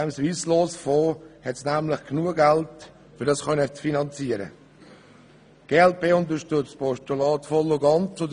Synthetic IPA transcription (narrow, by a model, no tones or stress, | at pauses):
ɛmsʋiːsloːsfoːhɛtsnæmlɪχknuəɡælt | fʏɾdɑsχœnət͡sfinɑnt͡siəɾə̰ | ɡ̥eːɛlpeːʊnt̪̬əʃtʏt͡stpʰɔʃtulɑːtfɔlːʊɡɑnt͡sod